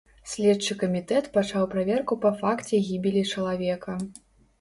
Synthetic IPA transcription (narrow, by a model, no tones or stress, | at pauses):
sʲlʲɛt͡ʂːɨkɐmʲit̪ɛt̪pat͡ʂawpɾavʲɛrkupɐfakt͡sʲɛɣʲibʲilʲit͡ʂɐlˠavʲɛkɐ